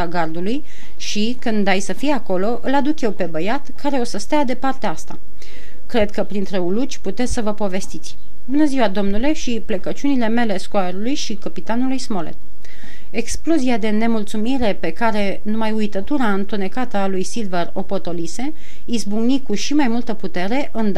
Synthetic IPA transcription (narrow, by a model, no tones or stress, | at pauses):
aɡard̪uluj | ʃikɨnd̪ajsəfijako̞lo̞ʔɨlad̪ukje̞wpe̞bəjat̪kaɾe̞o̞səst̪ead̪e̞part̪eaast̪a | kɾe̞d̪kəpɾint̪ɾe̞ulut͡ʃʲput̪e̞t̪sʲsəvəpo̞ve̞st̪it̪sʲ | bunəziwad̪o̞mnule̞ʃiplekət͡ʃunile̞me̞le̞skoaɾulujʃikəpit̪anulujsmo̞lḛt̪ | e̞ksploziad̪e̞ne̞mult̪sumiɾe̞pe̞kaɾe̞ | numajujt̪ət̪uɾaɨnt̪une̞kat̪əalujsilvero̞po̞t̪o̞lise̞ | isbuŋɡnikuʃimajmult̪əput̪e̞ɾe̞ʔɨnd̪